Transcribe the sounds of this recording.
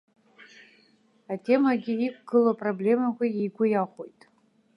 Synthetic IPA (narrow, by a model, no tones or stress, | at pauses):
atʰʲʼe̞maɡʲiikʷʼɡɨlopʼroblʲe̞makʷaejɡʷʊjaχʷojtʼ